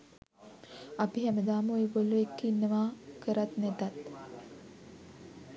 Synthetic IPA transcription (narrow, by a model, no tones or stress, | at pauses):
apiɦɛməd̪aːməojeboluekːinːəʋaːkəɾat̪næt̪at̪